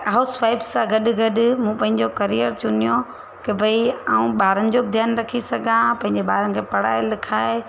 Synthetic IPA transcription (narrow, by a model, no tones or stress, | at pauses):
ɦasʋaːɪbsãɡɐɗʊɡɐɗʊ̆mũːpɐ̃ɦɪ̃ɲd͡ʑokɐɾijəɾt͡ɕʊnijo | kɐbʱɐiaːũɓaːɾənɪ̆d͡ʑod̪ʱjaːnɾɐkʰisɐɡʱãpɐ̃ɦɪ̃ɲd͡ʑeɓaːɾənɪ̆kʰeːpɐɽa̰ːɪlɪkʰaːɪ